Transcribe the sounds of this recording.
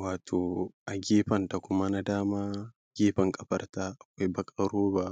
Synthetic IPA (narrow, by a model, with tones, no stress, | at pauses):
waː˨tʰoː˨ʔa˨ɡʲeː˦ɸɐ˨nta˨kʷʊ˦ma˦na˦daː˦maː˦ | ɡ̥ʲeː˦ɸɐ˨ŋkʼɐ˨ɸɐ˦rtaː˦ʔa˨kʷa˦jbɐ˦kʼɐ˨ɾoː˦ba˦ʔ